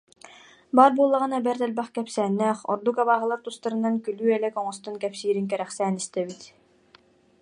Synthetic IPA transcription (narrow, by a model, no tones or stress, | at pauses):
baːɾbuɔlˠːaʁɯnabɛɾt̪ɛlbɛχkɛpsæːnːɛːχɔɾd̪ukaβaːɦɯlˠaɾt̪ust̪aɾɯ̆nankylyːɛlɛkɔŋɔst̪ɔnkɛpsiːɾiŋkɛɾɛχsæːnist̪ɛbit̪